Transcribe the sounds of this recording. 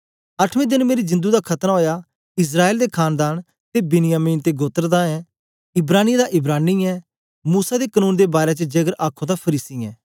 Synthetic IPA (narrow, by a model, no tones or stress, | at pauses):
ɐʈʰʋẽːd̪ɪnmeːɾid͡ʒɪ̃nd̪ud̪akʰɐt̪ɾaɦoːja | ɪs̬ɾaːeːld̪ekʰaːnd̪aːn | t̪ebɪnɪjaːmiːnt̪eɡoːt̪əɾd̪aɛː | ɪbɾaːnid̪aʔɪbɾaːniɛː | muːsad̪ekənũːnd̪ebaːɾet͡ʃəd͡ʒɐɡəɾʔaːkʰõd̪apʰəɾiːsiɛː